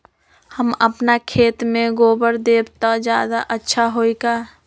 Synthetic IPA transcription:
həməpnakʰeːt̪mẽɡoːbəɾd̪eːbt̪ad͡ʒjaːd̪aʔətːʃʰaɦoːikaː

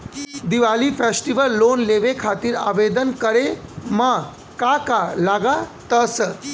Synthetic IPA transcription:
d̪iʋaliːfesʈiʋəlːonleʋekʰat̪iːɾa̰ʋed̪ənkəɾema | kakalaɡat̪əs

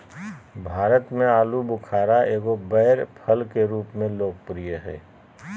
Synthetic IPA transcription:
bʱaːɾət̪mẽaːlubʊkʰaːɾaʔeːɡobɛːɾpʰəlkeɾuːpmẽloːɡ̚pɾijəɦɛ̰ː

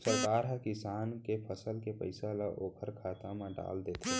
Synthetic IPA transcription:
səɾkaːɾɦãkɪsaːnkepʰəsəlkepə̰ɪsalaʔoːkʰəɾkʰaːt̪ãmãɖa̰ːld̪eːt̪ã

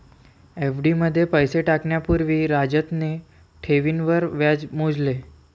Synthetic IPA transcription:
efɖiməd̪ʱːjepəjseʈakɳjapuɾʋiɾad͡ʒət̪ne | ʈʰeʋinʋəɾʋjad͡ʑmõd͡ʑle

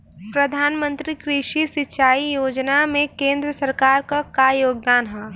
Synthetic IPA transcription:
pɾɐd̪ʱaːnmə̃nt̪ɾikɾɪʃisɪtːʃaːijoːd͡ʒnamẽkẽːnd̪ɾəsɐɾkaːɾkakajoːɡ̚d̪aːnɦɛ̃ː

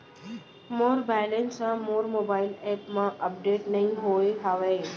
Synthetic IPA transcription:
moːɾbɛːlẽnsãmoːɾmoːbaːɪlɛːpmãʔɐp̚ɖeːʈnɐɦĩɦoːeɦaːʋeː

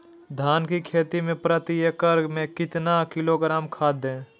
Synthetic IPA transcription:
d̪ʱaːnkikʰeːt̪imẽpɾət̪iekəɾmẽkɪt̪nakɪloɡɾaːmkʰaːd̪ẽː

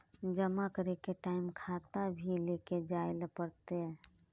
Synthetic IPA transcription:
d͡ʒəmakəɾekeʈaːɪmkʰaːt̪abʱileːked͡ʒaːɪlpəɾt̪eɦɛ̃

